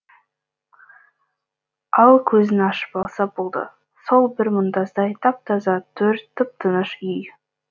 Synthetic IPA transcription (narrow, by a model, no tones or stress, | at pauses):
ɑlˠkʲʰɵzɪnɑʃə̥pɑlˠsɑbolˠd̪ə̰ | so̞lˠbɪɾmʊnd̪ɑzd̪ɑjt̪ʰɑp̚t̪ʰɑzɑt̪ʰɵɾt̪ʰːəp̚t̪ʰənəʃʏj